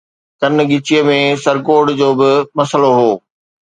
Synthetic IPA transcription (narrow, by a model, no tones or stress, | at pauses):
t̪ɐn̆ɡɪt͡ɕijəmẽsɐɾkoːɖd͡ʑoːbɪmɐsəloɦoː